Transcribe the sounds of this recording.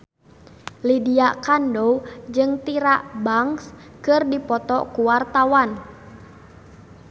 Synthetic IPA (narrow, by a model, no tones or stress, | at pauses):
lidiakandɔwd͡ʒɨŋt̪iɾaʔbaŋs | kɨrdipɔt̪ɔ̰kuwart̪awan